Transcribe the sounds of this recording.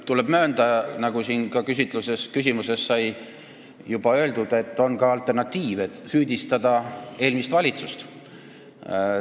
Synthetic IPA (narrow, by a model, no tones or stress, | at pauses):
t̪uleb̥mø̞ːnd̪̥ɑnɑɡusinkɑkys̬ʲit̪ːˑluse̞skys̬ʲimuse̞sːɑj | jub̥ɑø̞e̞ld̪ud̪̥e̞t̪ːo̞nkɑɑlt̪ːˑe̞rnɑt̪ːˑiːvet̪syːd̪̥ʲist̪ɑd̪̥ɑe̞ːlmist̪vɑlʲit̪sust̪